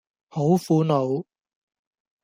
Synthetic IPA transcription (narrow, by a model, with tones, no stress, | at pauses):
ho˨˥wfuː˨˥no˨˧w